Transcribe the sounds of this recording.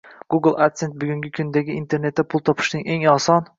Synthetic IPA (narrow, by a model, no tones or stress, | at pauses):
ɡ̥uɡlˠakt̪se̞nt̪̚bʊɡʲʊŋɡʲɪkʲʰʊnd̪aɡʲɪint̪ʰe̞ɾne̞t̪ːapʰʊlˠt̪ʰɒpʰɪ̥ʃnɪŋe̞ŋɒsɒn